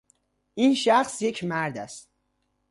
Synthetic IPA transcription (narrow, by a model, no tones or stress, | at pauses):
ʔinʃæχsje̞cʰmæɾd̪æst̪